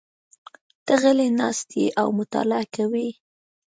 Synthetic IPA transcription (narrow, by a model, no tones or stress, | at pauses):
t̪əɣəlenɑst̪ʰḛʔawmʊt̪ɑ̰laakawi